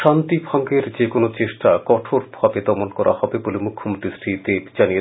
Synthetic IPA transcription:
ʃant̪ibʱɔŋɡeɾd͡ʑekonot͡ɕeʃʈakɔʈʰoɾbʱabed̪ɔmonkɔɾʔa̰hɔbebolemukʰːomot̪ɾisʈɾid̪ebd͡ʑanije

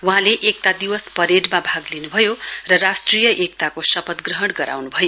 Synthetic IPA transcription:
uɦãleʔek̚t̪ad̪iwʌspʌɾeɖmabʱaɡlinubʱʌjorʌrasʈrijʌʔek̚t̪akosʌpʌt̪ɡrʌɦʌɽɡʌɾʔa̰wnubʱʌjo

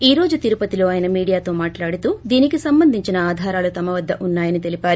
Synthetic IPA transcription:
iːɾo̞ːd͡ʒut̪iɾupɐt̪ilo̞ːaːjɐnɐmiːɽijaːt̪o̞ːmaːʈlaːɽit̪uːd̪iːnikisɐmbɐnd̪ʱiɲt͡ʃinɐaːd̪ʱaːɾaːlut̪ɐmɐʋɐd̪ːɐʔunːaːjɐnit̪e̞lipaːɾu

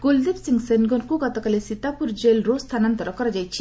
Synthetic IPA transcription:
ɡold̪ebsiŋɡsenɡɔnkuɡɔt̪ɔkalesit̪apuɾd͡ʒelɾost̪ʰanant̪ɔɾɔkɔɾɔd͡ʒajt͡ʃʰi̥

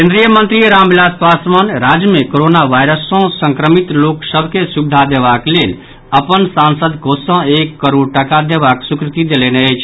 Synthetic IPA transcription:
kẽnd̪ɾijəmənt̪ɾiɾambilaspasmənɾad͡ʒjəmekoɾonaʋajɾəsõsə̃ŋkɾəmit̪loksəbʱkesubd̪ʱad̪eʋaklel | əpənsansəd̪kosə̃ekːəɾoɽʈəkad̪eʋaksukɾɪt̪id̪eleneəjt͡ʃʰ

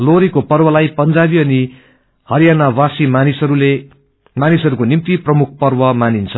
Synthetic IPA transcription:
loɾikopʌrbʌlajpʌnd͡zabiʌni | hʌɾjanawasimanisʌɾule | manisɦʌɾukonimt̪iprʌmuk̚ʰpʌrbʌmanint͡sʰʌ

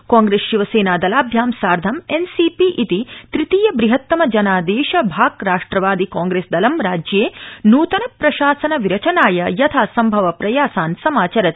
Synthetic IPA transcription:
kaːŋɡɾeːsʃiʋɐseːnaːd̪ɐlaːbʱjaːmsaːɾd̪ʱɐmensipiʔit̪it̪ɾit̪iːjɐbɾiɦɐt̪ːɐmɐd͡ʒɐnaːd̪eːʃɐbʱaːɡɾaːʂʈɾɐʋaːd̪ikaːŋɡɾeːsd̪ɐlɐmɾaːd͡ʒjeːnuːt̪ɐnɐpɾɐʃaːsɐnɐʋiɾɐt͡ʃɐnaːjɐjɐt̪ʰaːsɐmbʱɐʋɐpɾɐjaːsaːnsɐmaːt͡ʃɐɾɐt̪

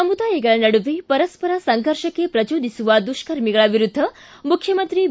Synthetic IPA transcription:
ɐmud̪ajeɡɐɭanɐɽuʋipɐɾɐspɐɾasɐŋɡʱəɾʃɐkepɾɐd͡ʒoːd̪ʱisuʋad̪uʃkɐɾmiɡɐɭaʋiɾud̪ʱːɐ | mukʰjɐmənt̪ɾi

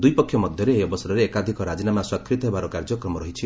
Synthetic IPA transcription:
d̪ujpɔkʰːjɔmɔd̪ʱjɔɾeeiɔbɔsɔɾɔɾeːkad̪ʱikɔɾad͡ʒinamaswakʰːɾit̪ɔɦebaɾɔkaɾd͡ʒɔkɾɔmɔɾɔɦit͡ʃʰi

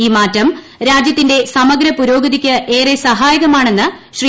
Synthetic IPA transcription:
iːmaːtːɐm | ɾaːd͡ʑjɐt̪ːinde̞sɐmɐɡɾɐpuɾo̞ːɡɐðikʲːɐʔeːresɐɦaːjɐɣɐmaːɳe̞nːɨɕri

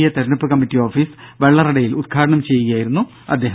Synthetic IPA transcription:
jɐt̪eɾɐnɐpːɨkɐmːitːio̞ːfiːsʋe̞ɭːɐriɽɐjilud̪̚kʰaːɾɐɳɐmt͡ɕe̞jːɐjaːjiɾunːu | ɐ̰d̪ːe̞ːɦ

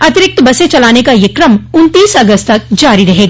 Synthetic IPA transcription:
ɐt̪ɪɾɪk̚t̪bɐset͡ʃɐlaːnekajɪkɾəmʊnt̪iːsɐɡəst̪t̪ɐk̚d͡ʒaːɾiɾɐɦeːɡaː

